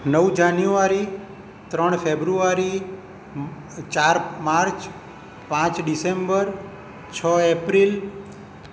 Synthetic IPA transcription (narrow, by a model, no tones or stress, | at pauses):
nəwd͡ʒanjuaɾi | t̪ɾəɳ̃fʰebɾuaɾi | t͡ʃaɾmaɾt͡ʃ | pãt͡ʃɖisembəɾ | t͡ʃʰəepɾil